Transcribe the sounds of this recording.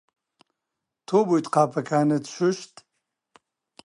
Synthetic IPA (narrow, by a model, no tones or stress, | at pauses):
t̪ʰobujt̪qʰaːpʰɐkʰaːnɐt̪ʃuʃt̪